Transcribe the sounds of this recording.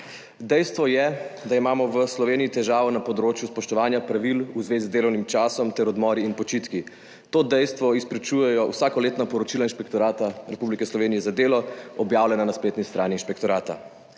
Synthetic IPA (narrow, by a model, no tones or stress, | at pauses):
d̪ɛjst̪ʋɔjɛd̪aimaːmɔʋəslɔʋeːniit̪ɛʒaːʋɔnapɔd̪ɾoːt͡ʃjuspɔʃt̪ɔʋaːnjapɾaʋiluzʋeːzizd̪eːlɔwnimt͡ʃaːsɔmt̪ɛɾɔd̪mɔːɾiinpɔt͡ʃit̪ki | t̪oːd̪ɛjst̪ʋɔispɾɛt͡ʃujɛjɔwsaːkɔleːt̪napɔɾɔt͡ʃilainʃpɛkt̪ɔɾaːt̪aɾɛpublikɛslɔʋeːnijɛzad̪eːlɔɔbjaːwlʲɛnanasplet̪nist̪ɾaːniːnʃpɛkt̪ɔɾaːt̪a̰